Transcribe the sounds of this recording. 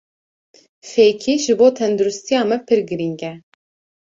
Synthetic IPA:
feːkʰiːʒɨboːt̪ʰɛnd̪uɾʊst̪ijɑːmɛpʰɨɾɡɨɾiŋɡɛ

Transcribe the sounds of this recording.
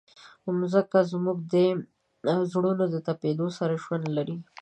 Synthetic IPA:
ʊmzəkazmuɡ̚d̪ə | zɽunod̪ət̪aped̪osaɾaʒwand̪laɾi

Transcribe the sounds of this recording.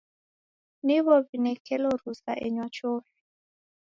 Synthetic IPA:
niβɔβinɛkʰɛlɔɾusaʔɛɲwat͡ʃofi̥

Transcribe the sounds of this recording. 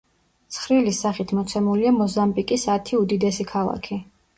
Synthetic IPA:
t̪sʰχɾilisaχit̪ʰmɔt̪sʰɛmuliamɔzambikʼisat̪ʰiud̪id̪ɛsikʰalˠa̰kʰi

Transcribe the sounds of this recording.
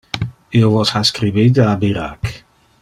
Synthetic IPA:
iovɔsaskɾibidabiɾa̰k

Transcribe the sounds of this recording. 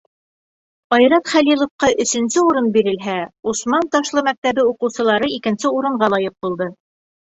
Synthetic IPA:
ɑjɾɑt̪χælilˠŏfqɑʔɵ̆sɵ̆nsɘuɾɤnbiɾɘ̆lɦæusmɑnt̪ɑʃlˠɤmæk̚t̪æβɘuqɤ̆wsɤ̆lˠɑɾɤikɘ̆nsɘuɾɤ̆ɴɢɑlˠɑjɤq̚bulˠd̪ɤ

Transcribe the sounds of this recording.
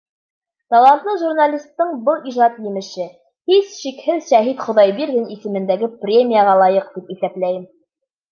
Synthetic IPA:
t̪ɑlˠant̪ɤʒurnalʲist̪ːɤɴbɤlˠiʒɑt̪jɘ̆mɘ̆ʃɘ | hisʃikhɘðʃæɦit̪χŏðɑjbiɾɡɘnisɘ̆mɘ̆nd̪æɡɘprʲemʲijəʁɑlˠɑjɤq̚t̪ipiθæplæjɘm

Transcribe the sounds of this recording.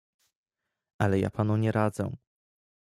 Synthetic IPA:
ʔalɛja̰pʰanuɲɛɾad̪zɛ̰

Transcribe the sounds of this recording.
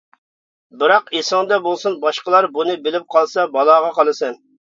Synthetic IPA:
bɪɾɑqesɪŋd̪ɛbolˠsunbɑʃqəlˠɑɾbunɨbɪlɪp̚qʰɑlˠsɑbɑlˠɑʁɑqʰɑlˠɨsɨn

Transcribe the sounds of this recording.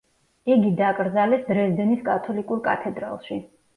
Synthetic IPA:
iɡid̪akʼɾd̪zalɛsd̪ɾɛsd̪ɛniskʼat̪ʰɔlikʼuɾkʼa̰t̪ʰɛd̪ɾa̰lˠʃi

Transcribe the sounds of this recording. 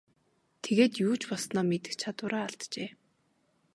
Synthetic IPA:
t̪ʰeɣeːt̪juːt͡ɕpɔsnɔːmet̪ɘ̆xt͡ɕʰat̪wʊːɾaːɬt̪t͡ɕeː

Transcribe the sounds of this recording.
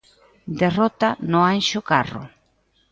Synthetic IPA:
d̪erɔt̪anʊanʃʊkarʊ̰

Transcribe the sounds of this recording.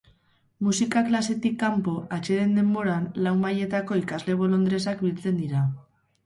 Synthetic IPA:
musikaklase̞t̪ikːampo̞ʔat͡ʃe̞ɾe̞nd̪e̞mbo̞ɾanlawmːaje̞t̪ako̞ikazle̞β̞o̞lo̞nd̪ɾe̞sakbilt͡se̞nd̪iɾa

